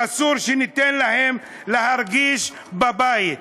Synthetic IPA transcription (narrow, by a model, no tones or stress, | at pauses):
asuɾʃenit̪enlahem | lehaɾɡiʃ | babajit̪